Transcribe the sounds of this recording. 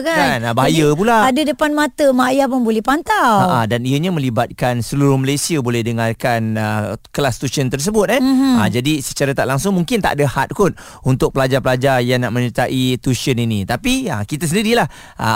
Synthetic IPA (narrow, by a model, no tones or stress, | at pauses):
ɡaanbaɦajəp̬ulaadədəpanmat̪əmajapʊnbolɛhpant̪awaʔadaniəɲamə̃libat̪̚kansəluɾʊhməlajsiəbolɛhdəŋarkanəklast̪usənt̪ərs̬əbʊt̪̚ɛad͡ʒadisət͡ʃaɾat̪aʔlaŋsʊŋmuŋkɪnt̪a̰ʔadahat̪̚kʊn | unt̪ʊk̚pəlad͡ʒarpəlad͡ʒarjaŋnaʔmə̃ɲət̪aʔit̪usiəninĩt̪apiəkit̪as̬əndiɾilah | ʔa̰